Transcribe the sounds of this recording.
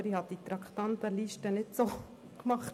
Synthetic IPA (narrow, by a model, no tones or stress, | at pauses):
ɾihɑt̚ːit̪ɾɑkʰt̪ɑnt̪əliːʃtənɪtso | kmɑχt